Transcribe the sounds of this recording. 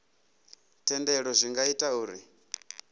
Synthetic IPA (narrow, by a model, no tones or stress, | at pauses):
tʰɛndɛɺɔzʷiŋɡaitʼauːɾi